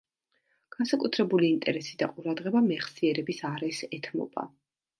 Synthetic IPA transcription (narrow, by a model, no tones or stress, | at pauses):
ɡ̥ansakʼut̪ʰɾɛbuliːnt̪ʼɛɾɛsid̪aqʼuɾad̪ʁɛbamɛχsiɛɾɛbisaɾɛsɛt̪ʰmɔ̰b̥a̰